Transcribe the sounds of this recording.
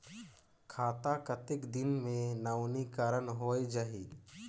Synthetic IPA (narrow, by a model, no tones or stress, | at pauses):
kʰaːt̪akət̪ɪkd̪ɪnmẽnawnikaːɾənɦoed͡ʒaɦi